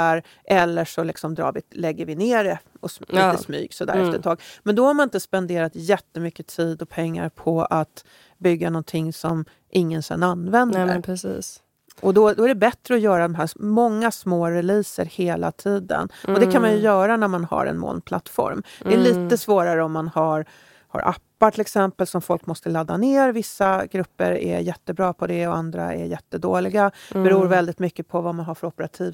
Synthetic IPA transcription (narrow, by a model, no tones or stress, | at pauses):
aɾ | ʔɛlːəʂɔlɪksɔmd̪ɾɑ̰ːɾvɪlɛɡːəɾvɪneːɾɛɔsiəsmy̰ːɡsɔd̪æ̰ːɾɛɛft̪əʈʰɑːɡmɛnd̪ɔhaɾmanɪnt̪əspɛnd̪eːɾat̪jɛt̪ːəmʏkːət̪ʰiːd̪ɔpʰɛŋːa̰ɾpʰɔat̪ | bʏɡːanɔnt̪ʰɪŋsɔm | ʔɪŋːənsɛ̰nanːvɛnd̪pɾɛsiːs | ʔɔd̪ɔd̪ɔæɖɛbɛt̪ɾəɔjœːɾad̪ɔmɦæːmɔŋːasmoːɾɛliːsəɾheːla̰t̪ʰiːd̪ə̰nɔd̪ɛkʰanmanjɵjœːɾanæɾmanha̰ɾɛ̰nmo̰ːlpʰla̰t̪ːfɔ̰ɾmd̪ɛæɭiːt̪əsvoːɾaɾəɔmːanhaɾ | ha̰ɾʔa̰pːaʈʰɪlɛksɛmpəlsɔmfɔlkmɔst̪əlad̪ːaneːɾvɪsːaɡɾɵpːə̰ɾæ̰jɛt̪ːəbɾɑːpʰɔd̪ɛɔand̪ɾa̰ɛ̰ɾjɛt̪ːəd̪oːlɪɡabɛɾuːɾvɛld̪ɪt̪mʏkːəpʰɔvamanɦaɾfœɾɔpəɾat̪ʰiːv